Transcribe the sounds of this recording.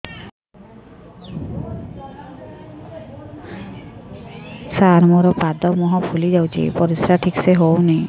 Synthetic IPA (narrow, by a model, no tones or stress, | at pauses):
saɾmɔɾɔpad̪ɔmɔɦɔpʰulid͡ʑawt͡ɕʰḭpɔɾisɾaʈʰikseɦowni